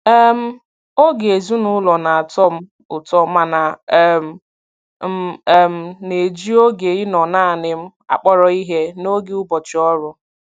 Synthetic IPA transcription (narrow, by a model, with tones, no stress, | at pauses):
ɛ˦m̩˦ | o˦ɡe˨zu˦nʊ˦lɔ˨na˨a˨tɔ˦m̩˦ | ʊ˨tɔ˦ma˦na˨˦m̩˨ | m̩˦˨m̩˨ne˨d͡ʒi˦o˦ɡe˨i˦nɔ˨naː˦˨nɪ˦m̩˦ | a̰˨k͡pɔ˦ɾɔ˦i˦ɦe˦no˦ɡɪ˦ʊ˦bɔ˨t͡ʃɪ˨ɔ˦ɾʊ˦